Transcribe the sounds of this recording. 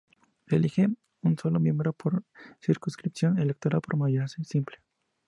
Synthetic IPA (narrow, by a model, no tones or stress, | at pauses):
elixe | unsolomjembɾopʰoɾsiɾkunskɾipsjonelek̚t̪oɾalpoɾmajasesimple